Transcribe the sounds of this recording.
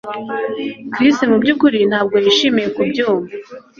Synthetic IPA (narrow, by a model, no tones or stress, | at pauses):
kɾistimubɟukuɾin̥haːb̚ɡo̞jiʃimijekubɟuːmva